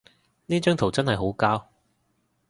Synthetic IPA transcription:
niː˥t͡ʃœː˥ŋt̪ʰo˨˩wt͡sɐ˥nɦɐ˨jɦo˨˥wkaː˥w

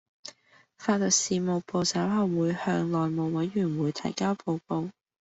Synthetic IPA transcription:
faː˧lɔ˨k̚siː˨˧mo˨wpo˨˧wsɐ˨˥wɦɐ˨wwuː˨˧jhœ̰ː˧ŋlɔː˨jmo˨˩wwɐ˨˥jɥyː˨˩nwuː˨˧jt̪ʰɐ̰˨˩jkaː˥wpo˨˧wko˧w

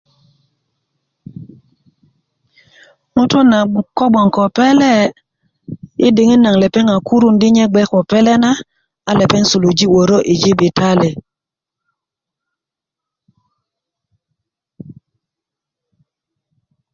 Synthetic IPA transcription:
ŋu˦to˦na˨kɔ˦ɓɔ˨ŋ˨kɔ˨pɛ˦lɛ˦˨ | i˦di˨ŋi˦na˨ŋlɛ˨pɛ˦ŋa˨ku˦ɾu˦ndi˦ɲɛ˦ɡ͡bɛ˦kɔ˨pɛ˦lɛ˦na˦ | a˨lɛ˨pɛ˦nsu˨lu˨d͡ʒi˦wo˨ɾo˦ʔi˨d͡ʒi˦bi˨ta˦le˨

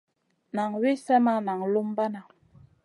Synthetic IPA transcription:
na˨ŋwe˦sa˦ma˦na˨ŋlu˦mba˦na˨

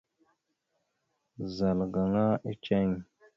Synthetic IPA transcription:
za˨lɡa˨ŋa˦i˦t͡ʃe˦˨ŋ

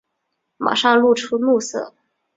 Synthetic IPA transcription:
ma̰˨˩ʂɑ˥˧ŋlu˥˩ʈ͡ʂʰu˥mu˥˧sɤ̰˥˩

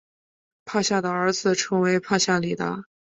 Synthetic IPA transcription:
pʰa˥˧ɕja˥˩d̪ə˩ə˞˧˥d͡zɹ̩˧ʈ͡ʂʰɤ˧˥ŋwe˧˥ɪpʰa˥˧ɕja˥˩li˨˩t̪a̰˧˥

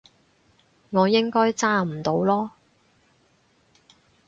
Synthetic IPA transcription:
ŋɔː˨˧jɪ˥ŋkɔː˥jt͡saː˥m̩˨˩t̪o˨˧wlɔː˥

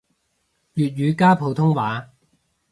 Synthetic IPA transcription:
jyː˨t̚ɥyː˨˧kaː˥pʰo˨˧wt̪ʰʊ˥ŋwaː˨˧˥

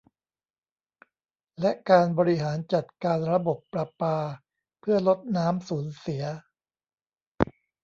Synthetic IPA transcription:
lɛ˦˥ʔkaː˧nbɔː˧ɾi˦˥ɦaː˩˦nt͡ɕa˨˩t̪̚kaː˧nɾa˧bo˨˩pːɾa˧paː˧ | pʰɯ˥˩ɐlo˦˥t̪̚naː˦˥msuː˩˦nsi˩˦ɐ

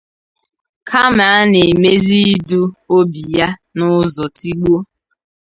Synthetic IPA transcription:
kʰa˦ma˨a˦ne˨me˦zi˦i˦du˦o˦bi˨ja˦nʊ˦zɔ˨ti˦ɡ͡bo˦

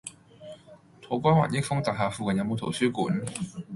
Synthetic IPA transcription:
t̪ʰo˨˥˩kʷaː˥nwa̰ː˨˩njɪ˥k̚fʊ˥ŋt̪aː˨˩ɦaː˨˧fuː˨kɐ˨˩njɐ˨˧wmo˨˧wt̪ʰo˨˩wsyː˥kuː˨˥n

